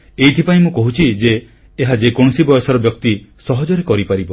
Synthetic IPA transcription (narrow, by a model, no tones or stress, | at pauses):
ejt̪ʰipaĩmũkɔɦut͡ʃʰid͡ʒeː | ɦad͡ʒekoɽ̃ɔsibɔjɔsɔɾɔbjɔk̚t̪isɔɦɔd͡ʒɔɾekɔɾipaɾibɔ